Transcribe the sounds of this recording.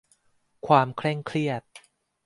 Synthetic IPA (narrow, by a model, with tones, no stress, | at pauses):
kʰwaː˧mkʰlɛ˥˩ŋkʰɾi˥˩ət̪̚